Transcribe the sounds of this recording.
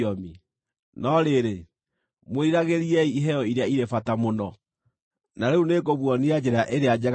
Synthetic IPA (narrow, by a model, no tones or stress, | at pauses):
ɔmi | nɔɾeɾe | mweiɾaɣeɾiɛiiɦɛɔiɾeaiɾefatamonɔ | naɾeunekoβwɔniad͡ʑɛɾaʔeɾead͡ʒɛɣ